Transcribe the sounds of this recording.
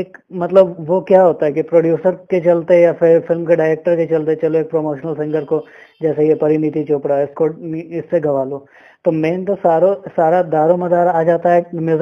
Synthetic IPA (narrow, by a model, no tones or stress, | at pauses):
eːkmɐt̪ləbʋokjaɦoːt̪aɦɛkipɾoːɖjuːsəɾket͡ʃɐlt̪eɦjafɪɾfɪlmkeɖaːɪɾeːk̚ʈəɾket͡ʃɐlt̪et͡ʃɐloeːk̚pɾomoːʃnəlsɐ̃ŋɡəɾko | d͡ʒɛːsejepɐɾɪnit̪̬it͡ʃoːpɽaɪskoiɪsːeɡɐʋaːloː | t̪omẽːnt̪osaːɾosaːɾad̪aːɾomɐd̪aːɾaːd͡ʒaːt̪aɦɛmjuz